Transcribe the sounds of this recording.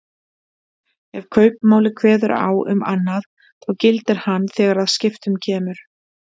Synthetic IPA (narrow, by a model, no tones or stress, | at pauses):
ɛv̥kʰœːɥp̚maːwlɪkʰvɛːðʏɾa̰ːwʏ̰ma̰nːað | θɔwcɪlt̪ɪɾ̥hanːθɛːɣaɾaðscɪft̪ʏmcʰɛːmʏɾ̥